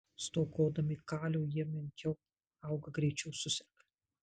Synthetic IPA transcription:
st̪oːkoːd̪ɐmʲɪkaːlʲowjɛmʲɪnʲkʲɛw | awɡɐɡɾʲɛjt͡ʃʲɛwsʊsʲɛɾk

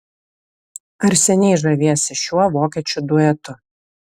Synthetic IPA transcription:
ɐɾʲsʲɛnʲɛɪʒɐʋʲiɛsʲɪʃʲuɔʋoːkʲiɛt͡ʃʲʊd̪ʊɛt̪ʊ

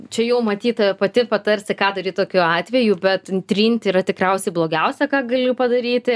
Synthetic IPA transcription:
t͡ʃʲɛjɛʊmɐt̪ʲiːt̪ɐɛpɐt̪ʲɪpɐt̪ɐɾʲsʲɪkɑːd̪ɐɾʲiːt̪oːkʲuːɑːt̪ʲʋʲɛjubʲɛt̪t̪ʲɾʲiːnʲt̪ʲiːɾɐt̪ʲɪkɾɛʊsʲɛɪblˠoːɡʲɛʊsʲɛkɑːɡɐlʲʊpɐd̪ɐɾʲiːt̪ʲɪ

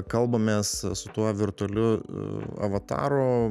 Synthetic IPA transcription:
kɐlˠbɐmʲeːssʊt̪uɔʋʲɪɾt̪ʊɐlʲʊ | ɐ̰ʋɐt̪ɑ̰ːɾoː

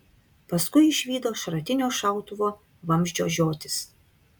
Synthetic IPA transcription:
pɐskʊɪɪʃʲʋʲiːd̪oːʃɾɐt̪ʲɪnʲoːʃɑˑʊt̪ʊʋoː | ʋɐmʲʒʲd͡ʒʲoːʒʲoːt̪ʲɪs

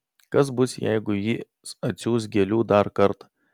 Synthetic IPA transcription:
kɐs̬bʊsjɛ̰ɪɡʊjɪ | sɐt̪ʲsʲuːs̬ɡʲɛlʲuːd̪ɐɾkɐɾt̪ɐ̥

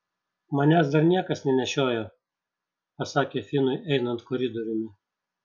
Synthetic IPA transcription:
mɐnʲæs̬d̪ɐɾnʲiɛkɐsnʲɛnʲɛʃʲoːjoː | pɐsɑːkʲeːfʲɪnʊɪʔɛɪnɐnt̪kɔɾʲɪd̪ɔɾʲɪmʲɪ

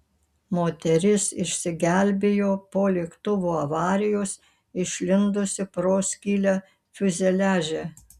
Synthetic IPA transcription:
moːt̪ʲɛɾʲɪsɪʃʲsʲɪɡʲæˑlʲbʲejoːpoːlʲeːkt̪ʊʋuːɐʋɑːɾʲɪjoːs | ɪʃʲlʲɪnd̪ʊsʲɪpɾoːsʲkʲiːlʲæ | fʲʊzʲɛlʲæːʒʲe

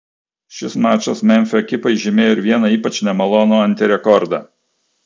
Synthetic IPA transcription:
ʃʲɪsmɑːt͡ʃʲʊsmʲɛnʲfʲɛɛkʲɪpɐɪʒʲɪmʲeːjoɪɾʋʲiɛnɐiːpɐt͡ʃnʲɛmɐlˠɔnoːɐnʲˑt̪ʲɪɾʲɛkɔɾd̪ɑ̰

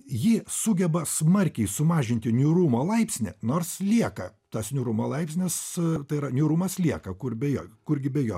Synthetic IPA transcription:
jɪsʊɡʲɛbɐsmɐrʲkʲɛɪsʊmɑːʒʲɪnʲt̪ʲɪnʲʊɾuːmoːlˠɐɪpʲsʲnʲɪnoːrslʲiɛkɐt̪ɐsnʲʊɾuːmoːlˠɐɪpʲsʲnʲɪst̪ɐɪɾɐnʲʊɾuːmɐslʲiɛkɐkʊrbʲɛjoːkʊrɡʲɪbʲɛjoː

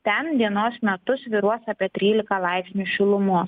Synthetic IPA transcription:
t̪ʲɛnd̪ʲiɛnoːsmʲɛt̪ʊsʋʲiɾuɔsɑːpʲiɛt̪ʲɾʲiːlʲɪkɐlˠɑɪpʲsʲnʲuʃʲɪlˠʊmʊ

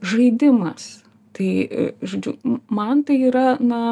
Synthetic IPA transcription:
ʒɐɪd̪ʲɪmɐs | t̪ɐɪʒoːd͡ʒʲɛʊːmɐnt̪ɐɪiːɾɐnɐ

